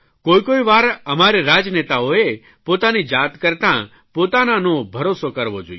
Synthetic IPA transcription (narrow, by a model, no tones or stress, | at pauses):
kojkoiʋaɾəmaɾiɾad͡ʒnet̪aoe | pot̪anid͡ʒat̪kəɾt̪ã | pot̪ananõbʱəɾosokəɾʋo̰d͡ʒo̰j